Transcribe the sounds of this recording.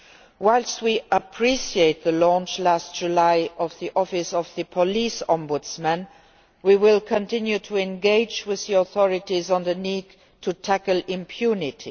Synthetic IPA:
waɪlstwiʔəpʰɹ̥isieɪt̪̚ðəlɔ̃nt͡ʃlast̚d̥d͡ʒ̥ulaɪʔɔvðiʔɔfɪsɔvðəpʰɔlisɔ̃mbʊdsmə̃n | wiwɪlkʰə̃ntʰɪ̃njutʰuɛ̃nɡeɪd͡ʒwɪððiɔθɔɹɪtizə̃nðəniɡ | tʰutʰækəlɪ̃mpʰjunɪtʰi

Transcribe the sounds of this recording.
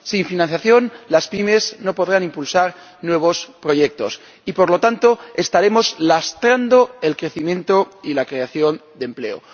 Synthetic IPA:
siɱfinãnθjaθjo̞nlaspime̞zno̞po̞ðɾanimpulsaɾ | nwe̞β̞o̞spɾo̞ʝe̞k̚t̪o̞s | ipo̞ɾlo̞t̪ant̪o̞e̞st̪aɾe̞mo̞slast̪ɾand̪o̞elkɾe̞θimjẽ̞nt̪o̞ilakɾe̞aθjo̞nd̪emple̞̰o̰

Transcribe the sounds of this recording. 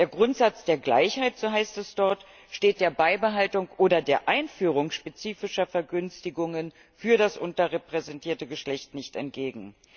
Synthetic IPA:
d̥eːɐɡʁʊntz̥at͡sd̥eːɐɡla̰ɪçhaɪtz̥oːɦaɪstɛsd̥ɔɐt | ʃteːt̚d̥eːɐbaɪbəɦaltʊŋʔoːɾɐdeːɐʔaɪnfyːʁ̞ʊŋʃpet͡siːfɪʃɐfɛɐɡʏnstɪɡʊŋən | fyːɐɾasʔʊntɐʁɛpʁ̥ɛzɛntʰiːɐtəɡəʃlɛçtnɪçtɛntɡ̥eːɡŋ̩

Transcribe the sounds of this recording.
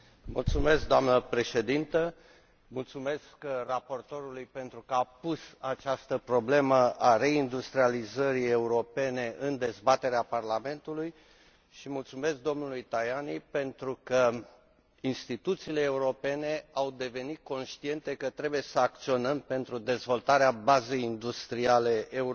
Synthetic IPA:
mṵlt̪sume̞sk̚d̪oamnəpɾe̞ʃe̞d̪int̪ə | mult̪sume̞skrapo̞rt̪o̞ɾulujpe̞nt̪ɾukəapusat͡ʃast̪əpɾo̞ble̞məʔare̞ind̪ust̪ɾializəɾie̞uɾo̞pe̞ne̞ʔɨnd̪e̞zbat̪e̞ɾeaparlame̞nt̪uluj | ʃimult̪sume̞sk̚d̪o̞mnulujt̪ajanipe̞nt̪ɾukə | inst̪it̪ut̪siːle̞ːuɾo̞pe̞ne̞awd̪e̞ve̞nit̪̚ko̞nʃt̪ie̞nt̪e̞kət̪ɾe̞buje̞səak̚t̪sio̞nəmpe̞nt̪ɾud̪e̞zvo̞lt̪aɾeabaze̞jind̪ust̪ɾiale̞ʔːu

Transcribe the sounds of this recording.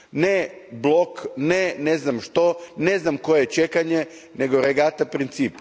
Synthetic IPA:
neblˠokneneznamʃt̪oneznamko̞jet͡ʃekaɲe | neɡo̞ɾeɡat̪apɾint̪siːp

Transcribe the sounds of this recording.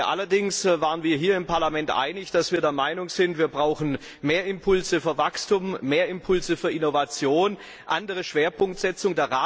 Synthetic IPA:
ʔa̰lɐdɪŋsvaːʁənviːɐɦiːɐɪmpʰaɐlamɛntʔa̰ɪnɪçd̥asv̥iːɐdeːɐmaɪnʊŋz̥ɪntv̥iːɐbʁaʊxn̩ | meːɐɪmpʰʊlzəfyːɐvakstumːeːɐɪmpʰʊlzəfyːɐʔɪnovat͡sjoːn | ʔandəʁ̞əʃv̥eːɐpʰʊŋk̚tz̥ɛt͡sʊŋdeːɐʁaː

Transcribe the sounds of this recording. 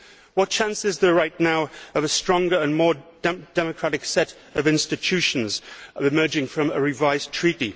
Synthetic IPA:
wʌt̚t͡ʃʰæ̃nsɪzðə˞ɹaɪtⁿnaʊəvəstɹ̥ɔ̃ŋɡə˞ə̃nmɔːdd̥ɛməkʰɹ̥aɾɪksɛɾ | əvɪ̃nstɨt͡ʃʰʉˑʃə̃nzɪmɜ˞d͡ʒɪ̃ŋfɹə̃məɹɪvaɪztʰɹ̥iˑɾi

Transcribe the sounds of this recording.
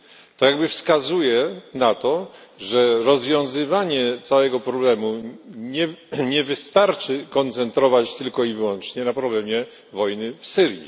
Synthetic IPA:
t̪ɔjaɡbɘfskazujɛnat̪ɔʐɛɾɔzvʲjɔ̃w̃zɘvaɲɛt̪sawɛɡɔpɾɔblɛmuɲɛɲɛvɘst̪aɾt͡ʂɘkɔnt̪sɛnt̪ɾɔvat͡ɕt̪ɘlkɔivwɔnt͡ʂɲɛnapɾɔblɛmʲjɛ | vɔjnɘfsɘɾjḭ

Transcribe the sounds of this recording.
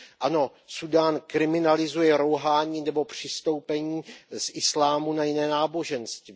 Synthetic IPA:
ʔano̞ | sudaːnkɾɪmɪnalɪzujɛɾowɦaːɲiːnɛbo̞pr̝̥ɪst̪o̞wpɛɲiːsʔɪslaːmunajɪnɛːnaːbo̞ʒɛnst̪i

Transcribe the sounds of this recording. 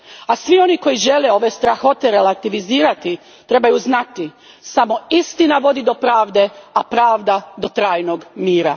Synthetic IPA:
asʋio̞niko̞jiʒe̞leo̞ʋest̪ɾaxo̞t̪eɾelat̪iʋiziːɾat̪i | t̪ɾe̞bajuznat̪i | samo̞ist̪inaʋo̞d̪id̪o̞pɾaːʋd̪e̞apɾaːʋd̪ad̪o̞t̪ɾaːjnoɡmiːɾa

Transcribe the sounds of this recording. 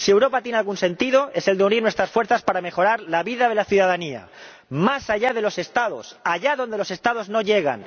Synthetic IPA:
siewɾo̞pat̪jenealɣunsẽ̞nt̪iðo̞e̞se̞ld̪euniɾnwe̞st̪ɾasfwe̞ɾθaspaɾame̞xo̞ɾaɾlaβiðaðe̞laθjuðaðania̰ | masaʝað̞e̞lo̞se̞st̪að̞o̞̰saʝaðond̪e̞lo̞se̞st̪að̞o̞zno̞ʝe̞ɣ̞a̰n

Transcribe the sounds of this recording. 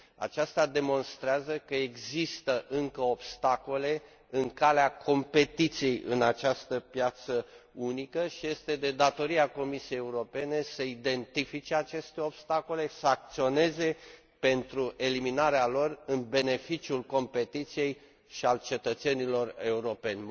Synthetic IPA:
a̰t͡ʃast̪ad̪e̞mo̞nst̪ɾeazəkəeɡzist̪əʔɨŋkəo̞bst̪ako̞le̞ | ɨŋkaleakʰo̞mpe̞t̪it̪sije̞jɨ̰nat͡ʃast̪əpjat̪səunikəʃije̞st̪e̞d̪e̞d̪at̪o̞ɾiako̞misijejeuɾo̞pe̞ne̞səid̪e̞nt̪ifit͡ʃeat͡ʃe̞st̪e̞o̞b̥st̪ako̞le̞səak̚t̪sio̞ne̞ze̞ | pe̞nt̪ɾuʔe̞liminaɾealo̞rɨnbe̞ne̞fit͡ʃiulko̞mpe̞t̪it̪sije̞j | ʃialt͡ʃe̞t̪ət̪se̞nilo̞re̞uɾo̞pe̞nʲ

